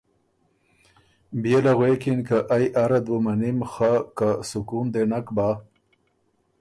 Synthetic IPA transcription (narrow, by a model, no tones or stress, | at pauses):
bijelaɣwekinkaʔajʔaɾad̪womanimxakasʊkund̪enakba